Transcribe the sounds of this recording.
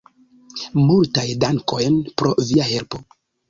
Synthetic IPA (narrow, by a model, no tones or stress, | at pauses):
multajdaŋko̞jnpɾo̞viahe̞lpo̞